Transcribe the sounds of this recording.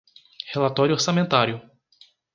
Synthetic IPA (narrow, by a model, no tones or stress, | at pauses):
helat̪ɔɾjʊoɾsamẽnt̪aɾjʊ